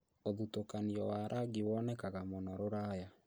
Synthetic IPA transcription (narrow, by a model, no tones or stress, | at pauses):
oðutokaniɔwaɾʔaɡiwɔnɛkaɣamonɔɾoɾaːja